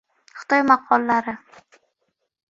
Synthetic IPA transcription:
χɨ̥t̪ʰɒjmaqʰɒlˠːaɾɪ

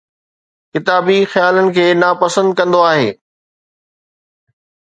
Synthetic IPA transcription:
kɪt̪aːbixjaːlənɪ̆kʰeːnaːpɐsə̃nd̪̚kɐ̃nd̪oaːɦḛː

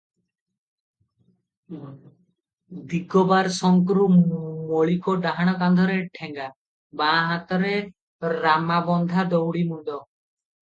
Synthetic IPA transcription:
d̪iɡɔbaɾsɔŋkɾumoɭikɔɖaɦaɽ̃ɔkand̪ʱɔɾeʈʰɛŋɡa | baːɦat̪ɔɾe | ɾamabɔnd̪ʱad̪ɔwɽimuɳɖ̪ɔ

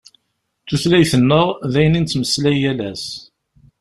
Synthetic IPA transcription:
θuθlæjθənːəʁðæjənint͡s̪ːməslæjælæs

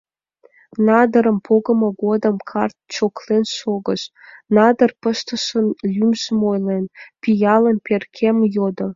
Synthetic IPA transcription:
nɑd̪əɾəmpʰoɣə̆mə̆ɡod̪əmkʰɑrt̪̚t͡ɕoklenʃoɣəʃnɑd̪ərpəʃt̪ə̆ʃənlʲymʒəmojlenpijɑlənperkʲʰemjod̪o

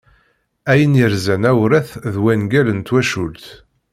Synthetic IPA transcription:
æjənjəɾzænæwɾæθðwænɡælənt̪wæʃult̪

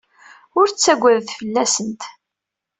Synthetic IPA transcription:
ʊɾt͡sːæɡʷːæðθfəlːæsənt̪

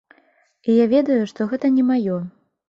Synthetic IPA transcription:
ijavʲɛd̪ɐjuʂt̪ɔɣɛt̪ɐnʲɛmajɔ

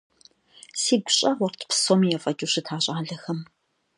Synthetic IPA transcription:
siːɡʷʊɕʼɐʁʷɔrtʰpʰsoːmijɛfʼɐt͡ʃʼuɕɨtʰaːɕʼaːɮɐxɐm

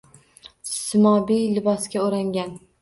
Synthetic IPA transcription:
sɪmɒbijlɪbɒskʲaoɾaŋɡʲan

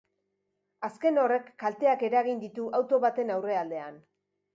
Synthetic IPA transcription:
aske̞no̞re̞kːalt̪e̞ake̞ɾaɣind̪it̪uʔawt̪o̞βat̪e̞nawre̞ald̪e̞a̰n

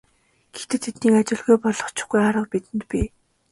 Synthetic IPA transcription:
ɡ̥e̥xt̪ʰɘ̆t̪ʰet̪niːkat͡ɕɪ̆ɮɣujpɔɮɞ̆χt͡ɕʊ̥̆χɡujaɾə̆q̚pit̪ɘ̆nt̪̚pʲi

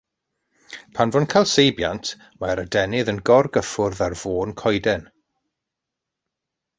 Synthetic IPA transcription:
pʰanvɔnkʰalˠsejbja̰ntʰ | maɾədɛnɪðənɡɔrɡəfʊrðarv̥oːnkʰɔjdɛn

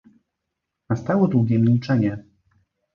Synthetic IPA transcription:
nast̪awɔd̪wuɡʲɛmʲilt͡ʂɛɲɛ

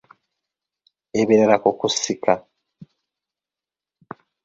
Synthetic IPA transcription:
eβeɾaɾakokusikʰa

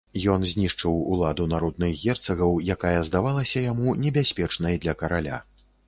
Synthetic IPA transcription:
jɔnzʲnʲiʂt͡ʂɨwṵlˠad̪unaɾɔd̪̚nɨxɣʲɛrt̪sɐɣɐwjakajɐzd̪avalˠɐsʲɐjamunʲɛbʲasʲpʲɛt͡ʂnɐjd̪lʲɐkɐɾalʲa̰

